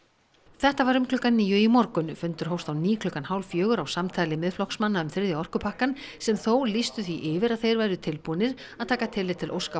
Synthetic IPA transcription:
θɛht̪avaɾʏmklʏkanːiːjʏimɔɾkʏnfʏnt̪ʏɾ̥ɦowst̪awniːkʰlʏkanhaːwlfjœːɣʏɾawsamt̪ʰaːjlɪmɪðflɔhksmanːaʏmθɪɾðjaɔr̥kʏpʰahkansɛmθowlist̪ʏθiʔɪvɪɾaðθejɾvajɾʏt̪ʰɪlpuːnɪɾ | aðt̪ʰaːkat̪ʰɪlːɪt̪ʰɪlʔo̰wska

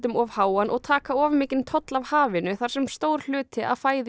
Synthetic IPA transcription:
t̪ʏmɔvhaːwanʔɔɣt̪ʰaːkaɔːvmɪːcɪnt̪ʰɔt̪lavhaːvɪnʏθaɾ̥sɛmst̪owɾ̥l̥ʏːt̪ɪʔa̰ðfaːjð

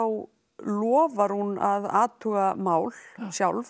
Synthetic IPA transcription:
aw | lɔːvaɾ̥huna̰ðaːt̪ʰuːɣamaːwlsjawlv

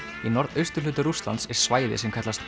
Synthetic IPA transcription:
inɔɾðœɥst̪ʏɾ̥lʏːt̪ʏɾust̪la̰nt̪sɛɾ̥svaːjðɪ̰sɛmkʰat̪last̪

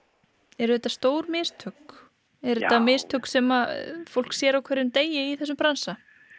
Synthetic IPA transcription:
ɛɾʏθɛt̪ːast̪oːwɾmɪːst̪ʰʏk | ɛɾɛt̪ːamɪst̪ʰʏksɛmafowl̥ksjɛɾawkʰvɛɾːʏmt̪eːjɪiθɛs̬ʏmpɾansa

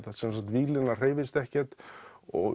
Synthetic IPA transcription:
θat̪sɛnsakt̪viːlɪnḁr̥eːjvɪst̪ɛhcɛ̥t̪ɔ̰ɣ

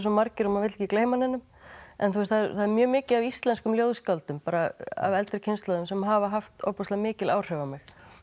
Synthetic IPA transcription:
s̬ɔmaɾcɪɾɔmavɪt̪lcɪkleːjmanɛnːʏm | ɛ̰nθuɛst̪θaðɛɾθaðɛɾmjœːmɪːcɪðavist̪lɛnskʏmljoːwðskalt̪ʏmpaːɾaa̰vɛlt̪ɾɪcʰɪnst̪lɔðʏmsɛmɦavaɦaft̪ɔ̰pɔst̪lamɪːcɪlʔaːwr̥ɛvamɪx

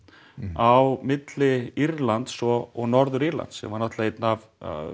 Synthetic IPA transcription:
awmɪt̪lɪiɾlant̪sɔɔɣnɔɾðʏɾiɾla̰nt̪sɛ̰maɾnaht̪laet̪nav̰

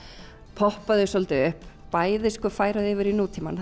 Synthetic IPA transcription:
pʰɔhpaðʏsɔlt̪ɪʏhppaːjðɪskœfaːjɾaðɛvɪɾinuːt̪ʰiman

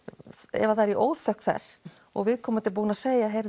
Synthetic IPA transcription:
ɛ̰vaθajɾiʔoːwðθœhk̪θɛ̰s | ɔ̰ɣvɪðkʰɔːmat̪ɪlp̬uːnaseːjaɦeɾ

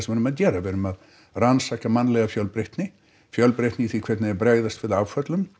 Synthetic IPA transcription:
svɛɾʏmaðcɛːɾavɛɾʏmað | ransakamanlɛɣafjœlpɾɪht̪nɪ | fjœlpɾɪht̪nɪθikʰvɛt̪naɛɾbɾaːjðast̪vɪɾðawfœt̪lʏm

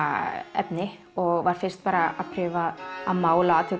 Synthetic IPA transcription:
ɛ̰pnɪ | ɔɣvaɾ̥fɪr̥st̪̚paːɾaa̰pʰɾʏvaaðmaːwlaːt̪ʰɪ

